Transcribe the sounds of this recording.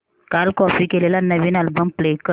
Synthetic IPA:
kalkɔfiːkelelanəʋiːnalbəmplekə

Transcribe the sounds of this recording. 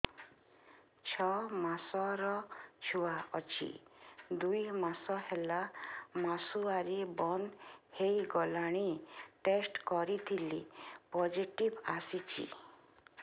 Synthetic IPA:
t͡ʃʰɔmasɔɾɔt͡ʃʰuwaɔt͡ʃʰḭd̪ujmasɔhelamasuaɾibɔnhejɡɔlaɽ̃iʈesʈkɔɾit̪ʰilipɔd͡ʒiʈibasit͡ʃʰḭ

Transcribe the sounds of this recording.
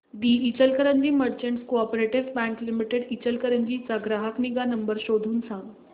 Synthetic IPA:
d̪iːit͡ɕəlkəɾəɲd͡ʑiːməɾt͡ɕẽɳʈskoɔpoɾeʈiʋbæ̃ŋklimiʈeɽit͡ɕəlkəɾəɲd͡ʑit͡saɡɾaɦəkniɡanəmbəɾɕod̪ʱuːnsãŋɡ

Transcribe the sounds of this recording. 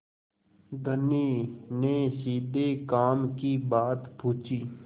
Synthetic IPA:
d̪ʱəniːneːsiːd̪ʱeːkaːmkiːbaːt̪puːt͡ʃiː

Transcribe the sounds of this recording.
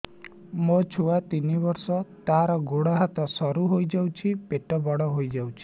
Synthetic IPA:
mot͡ʃʰuat̪inibɔɾsɔt̪aɾɔɡoɽɔɦat̪ɔsɔɾuɦojd͡ʒawt͡ʃʰipeʈɔbɔɽɔɦojd͡ʒawt͡ʃʰi̥

